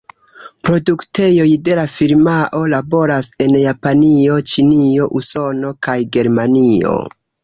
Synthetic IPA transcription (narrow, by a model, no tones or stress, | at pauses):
pɾo̞dukte̞jo̞jde̞lafiɾmaʔo̞labo̞ɾase̞njapanio̞t͡ʃinio̞ʔuso̞no̞kajɡe̞ɾmanio̞̰